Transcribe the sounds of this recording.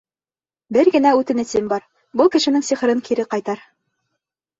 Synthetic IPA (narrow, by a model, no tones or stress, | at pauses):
bɘɾɡɘ̆næʉt̪ɘ̆nɘ̆sɘmbɑɾ | bɤlˠkɘ̆ʃɘ̆nɘŋsiχɤ̆ɾɤŋkʰiɾɘqɑjt̪ɑɾ